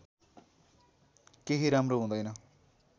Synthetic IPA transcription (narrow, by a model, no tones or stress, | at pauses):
keɦiɾamroɦũd̪ʌjnʌ